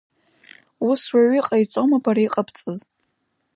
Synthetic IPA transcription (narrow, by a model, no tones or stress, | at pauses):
uswaɥiqʼajt͡sʷʼomapʰaɾaiqʼapʰt͡sʼɨz